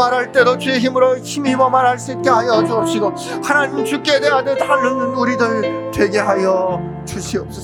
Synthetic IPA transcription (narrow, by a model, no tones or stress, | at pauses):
aɾɦaɭt͈e̞dot͡ɕueçimɯɾoçimibʌmaɾɦaɭs͈uit̚k͈e̞ɦajʌd͡ʑuʌp̚ɕ͈iɡʌ | hanaɲimt͡ɕuk͈edeadɯtanɯnnuɾidɯɭtwe̞ɡe̞ɦajʌ | t͡ɕuɕʰiʌp̚s͈ʌ